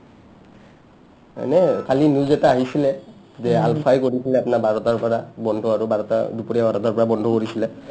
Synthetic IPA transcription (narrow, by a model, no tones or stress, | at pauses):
nɛkʰalinuzɛtaaɦisilɛ | zɛalpʰajkoɹisilɛapnabʱaɹɔtaɹpɔɹabɔndʱɔaɹubʱaɹɔta̰dupuɹjabʱaɹɔtaɹpɔɹabɔndʱɔkoɹisilɛ